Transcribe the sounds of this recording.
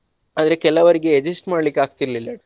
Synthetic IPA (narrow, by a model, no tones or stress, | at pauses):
aːd̪ɐɾekɛlːɐʋɐɾiɡeed͡ʒisʈmaːɖlikːeaːɡt̪iɾlilːɐ